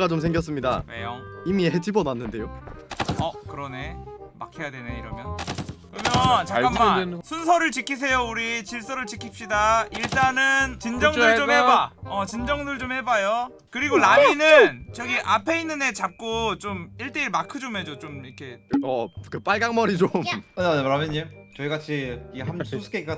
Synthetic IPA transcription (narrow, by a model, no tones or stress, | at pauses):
at͡ɕomsʰe̞ŋɡjʌs͈ɯmɲida̰wḛjʌimiɦed͡ʑibʌnanːɯnde̞jo | ʌkɯɾʌne̞ma̰kʰejadweneiɾʌmjʌnkɯɾʌmjʌnt͡ɕakamːasʰunsʰʌɾɯɭt͡ɕikʰis̬ʰe̞jouɾit͡ɕiɭs͈ʌɾɯɭt͡ɕikʰip̚ɕ͈idaiɭt͈anɯnt͡ɕind͡ʑʌŋɯɭt͡ɕomhebaʌt͡ɕind͡ʑʌŋdɯɭt͡ɕomhe̞bajo | kɯɾiɡonaminɯnt͡ɕʌɡiʔapʰe̞inːɯnde̞t͡ɕap̚k͈ot͡ɕomiɭt͈e̞iɭmakʰɯd͡ʑomɦe̞d͡ʑot͡ɕomikʰe̞ | kɯp͈aɭɡaŋmʌɾit͡ɕomʌneɾamʌɲit͡ɕʌiɡat͡ɕʰiiɦamsʰusʰɯ̥kʰek͈a